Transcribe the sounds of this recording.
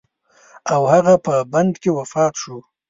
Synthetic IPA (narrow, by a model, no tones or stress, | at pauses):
awhaɣapəband̪kewafɑt̪ʃu